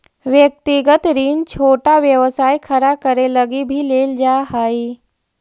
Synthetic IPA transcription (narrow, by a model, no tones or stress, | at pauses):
ʋjək̚t̪iɡət̪ɾiːnt͡ʃʰoːʈaʋjəʋsajkʰəɾakəɾeləɡibʱileːld͡ʒaɦai